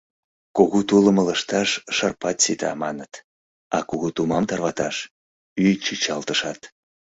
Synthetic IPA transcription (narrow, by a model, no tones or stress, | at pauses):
koɣut̪uləmələʃt̪ɑʃːɑrpɑt̪sit̪ɑ̰mɑnət̪ | ɑkuɣut̪umɑmt̪ɑrβɑt̪ɑʃ | yjt͡ɕit͡ɕɑlt̪əʃɑt̪